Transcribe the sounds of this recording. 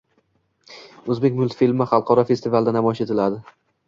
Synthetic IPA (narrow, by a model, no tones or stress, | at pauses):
ɵzbe̞kʲmʊlˠt̪filmɪχɑlˠqʰɒɾɒfest̪ɪvalˠd̪anamɒjɪʃe̞t̪ʰɪlad̪ɪ